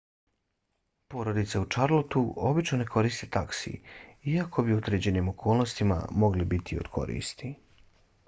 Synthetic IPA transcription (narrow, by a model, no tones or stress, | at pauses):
po̞ɾo̞d̪it̪seut͡ʃaɾlˠot̪uo̞bit͡ʃno̞ne̞kʰo̞ɾist̪et̪aksḭiakʰo̞biod̪ɾe̞d͡ʑe̞nimo̞kʰo̞ːlˠno̞st̪ima̰mo̞ɡlibit̪ʰio̰d̪kʰo̞̰ɾḭːst̪i